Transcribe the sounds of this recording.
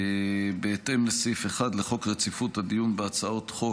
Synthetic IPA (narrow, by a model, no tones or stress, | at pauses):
ebeːt̪emlesifeχad̪leχo̞kʁet͡sifut̪had̪ijunbeat͡sao̞t̪χo̞